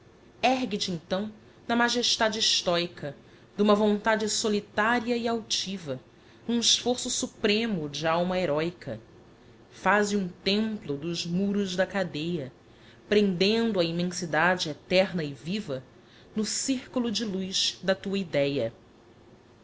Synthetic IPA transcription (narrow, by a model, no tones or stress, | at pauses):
ɛɦɡɪt͡ʃɪẽŋt̪ɐ̃w̃ | nɐmaʒeʃt̪ad͡ʒɪiʃt̪ɔjkʰɐ | d̪ũmɐvõnt̪ad͡ʒɪsolit̪aɾiɐiawt͡ʃivɐ | nũɪʃfoɾsʊsupɾẽmʊd͡ʒɪawmɐeɾɔjkɐ̰ | fazɪũt̪ẽmplʊd̪ʊzmuɾʊzd̪ɐkad̪ejɐ | pɾẽnd̪ẽnd̪ʊɐimẽsid̪ad͡ʒɪet̪ɛɾnɐɪvivɐ | nʊsiɾkulʊd͡ʒɪlujzd̪ɐt̪uɐid̪ɛjɐ